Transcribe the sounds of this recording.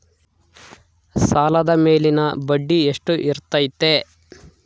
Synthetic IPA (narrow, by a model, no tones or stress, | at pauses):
saːlɐd̪ɐme̞ːlinɐbɐɖːieʂʈuʔiɾt̪ɐjt̪e